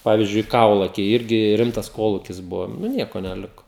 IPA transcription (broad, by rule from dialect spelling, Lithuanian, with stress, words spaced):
ˈpɑːʋʲiːzʲd͡ʒʲʊɪ ˈkɐʊlˠɐkʲɛɪ ˈɪrʲɡʲɪ ˈrʲɪmtɐs ˈkoːlˠuːkʲɪs ˈbʊʋoː nʊ ˈnʲiɛkoː nʲɛˈlʲɪkoː